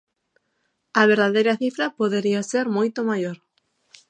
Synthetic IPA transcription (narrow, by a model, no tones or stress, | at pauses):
ɐβ̞eɾðaðejɾɐθifɾɐpoðeɾiɐseɾmojt̪omajoɾ